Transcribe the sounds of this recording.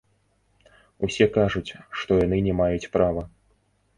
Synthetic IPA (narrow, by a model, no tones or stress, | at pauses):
usʲɛkaʐut͡sʲʂt̪ɔjanɨnʲɛmajut͡sʲpɾavɐ